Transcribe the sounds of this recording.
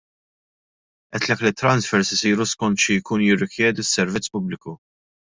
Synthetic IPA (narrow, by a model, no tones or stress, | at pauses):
ʔɛt̪lɛkːlɪt̪ːɾɐnsfɛɾsɪsiːɾuskɔnt̪ʃijkuːnjɪrːɪkjɛːd̪isːɛɾvɪt͡sːpʊblɪku